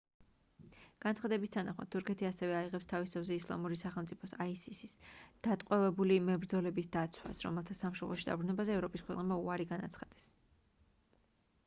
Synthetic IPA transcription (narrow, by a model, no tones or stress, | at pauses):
ɡ̥ant̪sχad̪ɛbist̪ʰanaχma̰d̪̚t̪ʰːuɾkʰɛt̪ʰiasɛvɛaiʁɛpst̪ʰavist̪ʰavzɛislˠa̰muɾisaχɛlˠmt̪sʼipʰɔsaisisisd̪̥at̪ʼqʼwɛvɛbulimɛbɾd̪zɔlɛbisd̪at̪sʰwa̰sɾɔ̰mɛlˠt̪ʰasamʃɔmlˠɔʃid̪a̰bɾunɛbazɛːvɾɔpʼiskʰwɛqʼnɛbmaṵaɾiɡanat̪sʰχad̪̥ɛ̥s